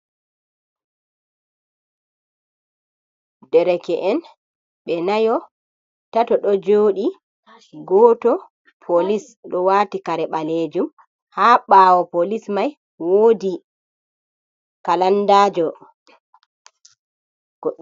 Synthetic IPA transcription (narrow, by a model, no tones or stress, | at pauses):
dɛɾɛkɛʔɛn | ɓɛnajɔ | tatɔɗɔd͡ʒoːɗi | ɡɔːtɔ | pʰolis | ɗɔwaːtikaɾɛɓaled͡ʒum | haɓaːwɔpolismaj | woːdi | kalandaːd͡ʒɔ